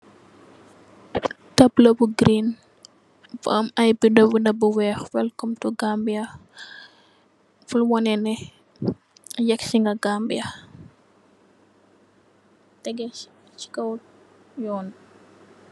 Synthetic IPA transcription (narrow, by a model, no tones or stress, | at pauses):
tɐplobuɡɾin | fɔɐmɐjbidɔbundɐbuwɛxwɛlkɔmtuɡambijɐ | fulwɔnɛnɛ | jɛksiŋɡɐɡambijɐ | tɛɡɛ | t͡ʃi̥kɐw | jɔːn